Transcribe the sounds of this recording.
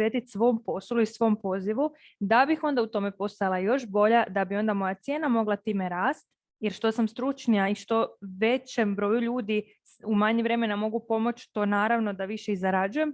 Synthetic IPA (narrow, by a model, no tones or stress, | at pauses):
jet̪it̪sʋo̞mpo̞slˠuisʋo̞mpo̞ziʋu | d̪abixo̞nd̪aut̪o̞me̞po̞st̪ajlˠajo̞ʃbo̞ʎad̪abio̞nd̪amo̞jat̪sje̞ːnamo̞ɡlˠat̪iːme̞ɾaːst̪ | jeɾʃt̪o̞samst̪ɾut͡ʃnijaiʃt̪o̞ʋe̞t͡ɕe̞mbɾo̞ːjuʎuːd̪i | umaɲiʋɾe̞me̞namo̞ɡupo̞mo̞t͡ʃt̪o̞ːnaːɾaʋno̞d̪aʋiʃeizaɾad͡ʒujem